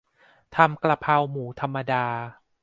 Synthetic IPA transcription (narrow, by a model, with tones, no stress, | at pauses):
t̪ʰa˧mkla˧pʰa˧wmuː˩˦t̪ʰa˧mːa˧daː˧